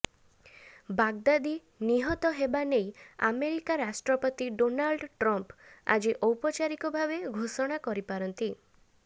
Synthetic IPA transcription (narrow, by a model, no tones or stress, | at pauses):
baɡd̪ad̪i | niɦɔt̪ɔɦebaneja̰meɾikaɾasʈɾɔpɔt̪iɖonalɖʈɾɔmpa̰d͡ʒiʔɔwpɔt͡ʃaɾikɔbʱabeɡʱosɔɽ̃akɔɾipaɾɔnt̪i